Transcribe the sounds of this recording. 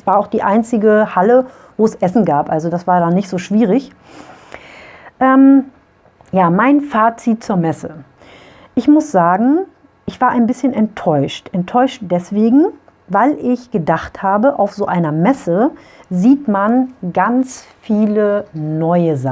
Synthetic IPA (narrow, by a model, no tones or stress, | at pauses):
sv̥aːɐaʊxd̥iːʔaɪnt͡sɪɡəhalə | voːɛsʔɛsn̩ɡaːpʔalzodasv̥aːɐdaːnɪçtz̥oːʃv̥iːʁɪç | ʔɛːm | jaːmaɪnfaːt͡sit̚t͡suːɐmɛsə | ʔɪçmʊsz̥aːɡŋ̩ | ʔɪçv̥aːɐʔaɪnbɪsçənʔɛntʰːɔʏʃtʔɛntʰɔʏʃtd̥ɛsv̥eːɡŋ̩ | vaɪlʔɪçɡ̥ədaχthaːbəʔa̰ʊfz̥oːʔaɪnɐmɛsə | ziːtmanɡant͡sfiːlənɔʏəza